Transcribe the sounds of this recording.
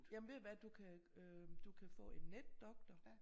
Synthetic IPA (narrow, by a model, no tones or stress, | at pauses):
jæmnʋe̝̰ʋæd̥ukʰæød̥ukʰæfɔ̰̽ːe̝nːed̥ːɒ̽ɡ̥̚d̥ɐ